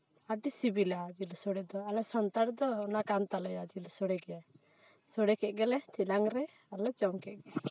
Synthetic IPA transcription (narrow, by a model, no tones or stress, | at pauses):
aɖisibilad͡ʒilsɔɽɛd̪ɔalɛsɔnt̪aɾd̪ɔːnakant̪alɔjad͡ʒilsɔɽɛɡɛja | sɔɽɛkɛʔ̚ˀɡɛlɛt̪ʰilaŋɾɛ | alɛt͡ʃɔmkɛʔ̚ɡɛ